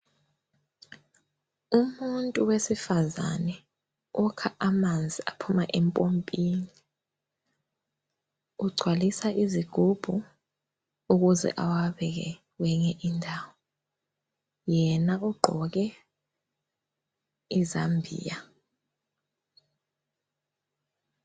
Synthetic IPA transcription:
umuntʼuwesifaza̰nɛ | ɔkʰaʔamand͡zʱiapʰumaʔɛmpʼompʼini | uɡ͡ǀʱwalisaʔiziɡ̥ʱub̥ʱu | uk̬uzɛ̰ʔawaɓɛk̬ɛ̰ | wɛɲɛʔindʱaːwɔ | jɛnaʔuɡ͡ǃʱɔk̬ɛ | izambʱḭːja

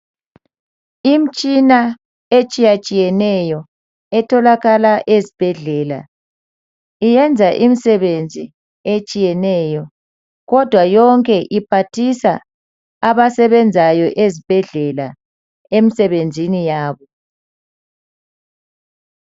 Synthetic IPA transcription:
im̩t͡ʃʼina | et͡ʃʼijat͡ʃʼijɛnɛjɔ | ɛtʰɔlaɣalaʔezib̥ʱɛɮɛːla̰ | ijɛnd͡zʱaʔimisɛβend͡zʱi | et͡ʃʼijɛnɛjɔ | ɣɔd̥ʱwajɔŋkʼɛʔipʰatʰisa̰ | aβasɛβɛnd͡zʱajɔʔezib̥ʱɛɮɛla | emisɛβend͡zʱinijaːβɔ

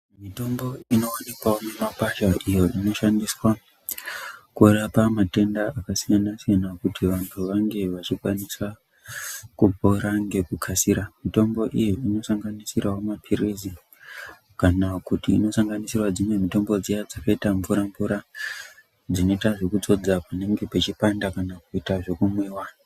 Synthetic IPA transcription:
mito̞mbo̞ino̞anekwaonemapaʃaʔijo̞ʔino̞ʃandiswa | kurapamate̞ndaakasijanasijanakutʰiʋantʰuʋaŋɡe̞ʋat͡ʃikwaniswa | kupo̞ɾaŋɡe̞kukʰasiɾamito̞mbo̞ʔijiino̞saŋɡanisiraɦomapʰiɾizi | kanakutḭːno̞saŋɡanisirwad͡zimwe̞mito̞mbo̞d͡zijad͡zakaitaɱvuɾaɱvuɾa | d͡zino̞itaʐe̞kud͡zo̞d͡zapane̞ŋɡe̞pet͡ʃipandakanakuitaʐe̞kumweːwa

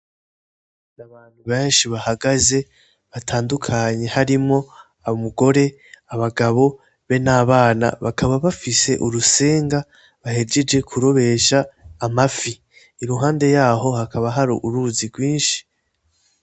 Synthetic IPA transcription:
naβaːn̥huβeːnʃiβahaɡaze̞ | βatʰaːndukʰaɲe̞haɾimŋo̞ | aβomuɡo̞ɾe̞ | aβaɡaβo̞ | βe̞naːβaːna̰βakʰaβaβafise̞ʔuɾuse̞ːŋɡa | βahe̞d͡ʒe̞d͡ʒe̞kʰuɾo̞βe̞ʃaːmafi | iɾuɦaːnde̞jaːɦo̞hakʰaβaɦaɾuʔuɾuːziɡwiːnʃi̥

